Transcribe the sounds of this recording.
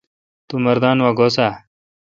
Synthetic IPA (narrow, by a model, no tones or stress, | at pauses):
t̪umɐɾd̪aːnwaːɡoːsaː